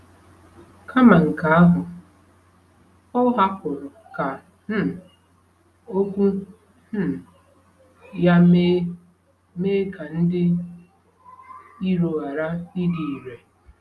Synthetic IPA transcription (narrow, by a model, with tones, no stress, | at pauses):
kʰa˦ma˨ŋ̩˨ka˨a˦ɦʊ˨ | ɔ˦ɦa˦kʊ˨ɾʊ˨ | ka˨ | m̩˦˨ | o˦kʷu˦ | m̩˦˨ | ja˦me˦ | meː˦ka˨n̩˦dɪ˦ | i˦ɾo˨a˨ɾa˦i˦di˨i˨ɾe˨